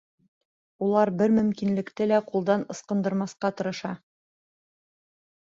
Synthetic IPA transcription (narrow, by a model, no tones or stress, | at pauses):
ulˠɑɾbɘɾmɵ̆mkinlɘ̆kt̪ɘlæqulˠd̪ɑnɤ̆sqɤ̆nd̪ɤ̆ɾmɑsqɑt̪ɤ̆ɾɤ̆ʃɑ